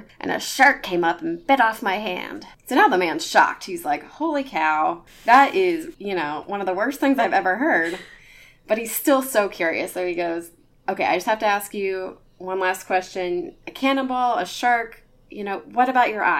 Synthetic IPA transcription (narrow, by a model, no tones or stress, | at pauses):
ʔɨ̰̃nɨ̰ʃɑɹkʰːẽɪ̃mʌpn̩b̥ɛɾɔfmaɪɦæ̰̃nd̥soʊnaʊðəmæ̃nz̥ʃɑ̰k̚t̚hizlaɪkhoʊlˠikʰaʊ | ðəɾɪzjɨnoʊwʌ̃nʌvðəwɜ˞sθɪ̃ŋzaɪvɛvə˞ɦɜ˞d̚ | b̥ʌt̚hiz̥stɪlˠsoʊkʰj̥ʊɹḭɨsəʊiɡoʊz | ʔoʊkeɪaɪd͡ʒʌst̚hæftɨæskjʉ | wʌ̃nlæskʰw̥ɛst͡ʃɨ̃nɨkʰænəbl̩ˠəʃɑɹk | jɨnoʊwʌɾɨbaʊt͡ʃə˞ʔa̰